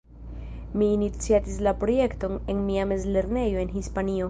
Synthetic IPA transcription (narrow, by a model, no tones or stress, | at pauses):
miːnit͡siatislapɾo̞je̞kto̞ne̞nmiame̞zle̞ɾne̞jo̞e̞nɦispanio̞